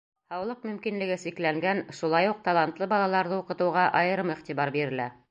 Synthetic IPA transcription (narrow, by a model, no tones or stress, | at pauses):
hɑwlˠɤq̚mɵ̆mkinlɘ̆ɡɘsiklæŋɡænʃulˠɑjuq̚t̪ɑlˠɑnt̪lˠɤbɑlˠɑlˠɑɾðɤuqɤ̆t̪ɤ̆wʁɑʔɑjɤ̆ɾɤmiχt̪ibɑɾbiɾɘ̆læ